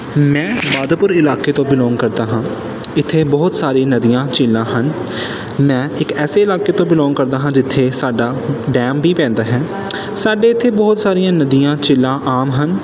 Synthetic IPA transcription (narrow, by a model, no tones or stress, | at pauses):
mɛ̃ːbaːd̪pʊɾɪlaːkeːt̪õːbɪlɔːŋɡkəɾd̪aːɦãː | ɪt̪ʰːeːbɔːt̪saːɾiːnəd̪ijãːt͡ʃɪlːãːɦən | mɛ̃ːɪkɛːseːɪlaːkeːt̪õːbɪlɔ̃ːŋɡkəɾd̪aːɦãːd͡ʒɪt̪ʰːeːsaːɖaːɖɛːmbiːpɛ̃ːnd̪aːɦɛː | saːɖeːɪt̪ʰːeːbɔːt̪saːɾijãːnəd̪ijãːt͡ʃɪlːãːʔaːmɦən